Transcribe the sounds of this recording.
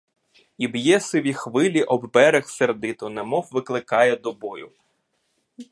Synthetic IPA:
ibjɛsɪʋʲixʋɪlʲiʔɔbːɛɾexserd̪ɪt̪ʊnɛmɔwʋɪklˠɪkɑjɛd̪ɔbɔjʊ

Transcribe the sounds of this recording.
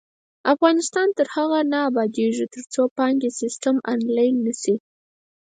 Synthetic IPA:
afɣɑnɪst̪ɑnt̪əɾhaɣanaːbɑd̪eʐit̪əɾt͡sopɑŋɡesɪsʈamɑnlɑjnːasi

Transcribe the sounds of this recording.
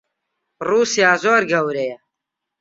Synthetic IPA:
ruːsijaːzoːɾɡɐwɾejɛ

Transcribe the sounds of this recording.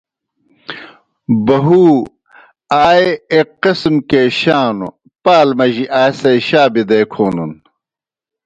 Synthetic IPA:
bɐɦuː | aːeeqːismkeːɕaːnṵ | paːlmɐʑiʔaːsɐjɕaːbid̪eːkʰoːnun

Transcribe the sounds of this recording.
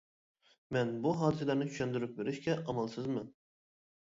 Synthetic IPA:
mɛnbuɦɑːd̪ɨsɛlæɾnɪt͡ʃʰy̥ʃɛnd̪yɾyp̚veɾɪʃkʲɛʔɑmɑlˠsɨzmɨ

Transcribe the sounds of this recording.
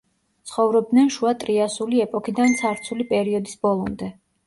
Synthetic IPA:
t̪sʰχɔvɾɔb̚d̪nɛnʃuat̪ʼɾiasuliɛpʼɔkʰid̪ant̪sʰaɾt̪sʰulipʼɛɾiɔd̪isbɔlˠɔmd̪ɛ

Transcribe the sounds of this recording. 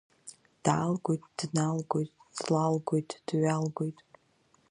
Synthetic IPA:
d̥aːlɡʷojtʼd̥nalɡʷojtʼd̥lalɡʷojtʼd̥ɥalɡʷojtʼ

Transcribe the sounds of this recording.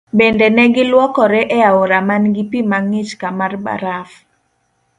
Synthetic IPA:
bendɛnɛɡɪlwɔkɔɾɛʔɛaoɾamanɡipimaŋɪt͡ʃkamarba̰ɾaf

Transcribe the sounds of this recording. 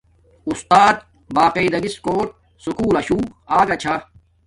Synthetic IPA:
ust̪aːt̪̚ | baːqeid̪ɐɡiskoːʈ̚ | sukuːlɐɕuːaːɡɐt͡ɕʰa

